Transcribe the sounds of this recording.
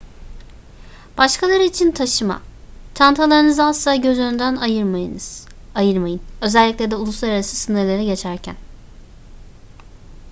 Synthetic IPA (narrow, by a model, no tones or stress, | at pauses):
b̥aʃkʰalˠaɾɯit͡ʃʰint̪ʰaʃɯma̰t̪ʰant̪ʰalˠaɾɯnɯzasˠaːɟø̞zønynd̪ænajɯɾmajɯ̰nz̥ | ajɯɾmajɯnø̞zɛlʲːiclʲed̪ɛulˠuslˠaɾaɾasɯsɯnɯɾlˠeɾɛɟe̞t͡ʃʰæɾcʰæ̰n